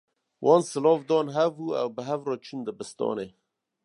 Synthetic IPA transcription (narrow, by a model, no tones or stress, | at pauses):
wʔɑːnsɨlɔːvd̪ɔːnɦɛvuːɛ̰wbəɦɛvɾɔːt͡ʃʰund̪əbɨst̪ɔ̰ːneː